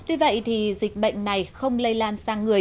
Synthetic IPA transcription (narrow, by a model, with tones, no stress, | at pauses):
ɲi˧və̰˧˨jt̪ʰi˨˩zï˨˩k̟̚ɓə̰˧˨jŋ̟na˨˩jxə˧wŋ͡mlə˧jlaː˧nsaː˧ŋːɨ˨˩ə